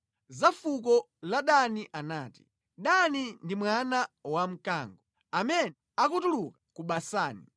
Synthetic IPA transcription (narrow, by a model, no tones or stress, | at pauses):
zafuk̬ɔ | laɗaniʔanaːti̥ | ɗanindimwanawam̩kaːŋɡɔ | amɛnɛakutulukḁkuɓasaːni